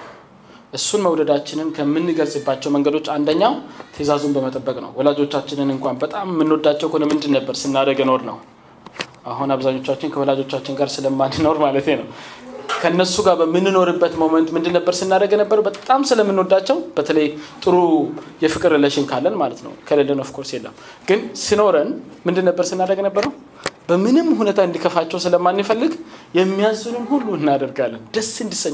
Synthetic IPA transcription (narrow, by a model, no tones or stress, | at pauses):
ʔɨsːunməwd̪əd̪at͡ʃːɪnɨnkʰəmːɨnːɨɡəlsʼɨbːat͡ʃːɛwməŋɡəd̪o̞t͡ʃːand̪əɲːawt̪ʰəzazumbəmət̪ʼəbːəkʼnə̰wwɔlad͡ʒo̞t͡ʃːat͡ʃːɪnɨnɨŋkʷanbət̪ʼamːɨnːod̪at͡ʃːɛwkʰonəmːɨnd̪ɨnːəbːəɾsɨnːad̪əɡjɛno̞ɾnə̰w | ʔaɦunaβzaɲːo̞t͡ʃːat͡ʃːɪnkʰəwɔlad͡ʒo̞t͡ʃːat͡ʃːɪnɡaɾsɨləmːanɨno̞ɾmalət̪jenəwkʰəɨnːəsuɡaɾbəmɨnːɨno̞ɾɨbːət̪mo̞mənt̪mɨnd̪ɨnːəbːəɾsɨnːad̪əɡnəbːəɾəwbət̪ʼamsɨləmːɨnːod̪at͡ʃːɛwb̥ət̪ʰələjt̪ʼɨɾu | jɛfɨkʼɨɾləʃɪnkʰalːənmalət̪nə̰wkʰələlːənofkʰo̞ɾsjelːə̰m | ɡ̥ɨnsɨno̞ɾənmɨnd̪ɨnːəbːəɾsɨnːad̪əɡnəbːəɾəw | bəmɨnɨmːhunet̪ʰaɨnd̪ikʰəfat͡ʃːɛwsɨləmːanːifəlːɨɡjɛmːijazːunɨmhulːuɨnːad̪əɾɡalːənd̪əsɨnd̪isːəɲː